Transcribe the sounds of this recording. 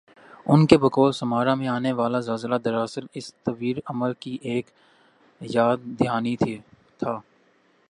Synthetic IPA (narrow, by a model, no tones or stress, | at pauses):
ʊnkebɐkɔːlsɐmaːɾamẽaːneʋaːlazaːzlad̪ɐɾaːsɪɾɪst̪ɐʋiːɾɐməɾkiʔeːk | jaːd̪̚d̪ɪjaːnit̪ʰi | t̪ʰaː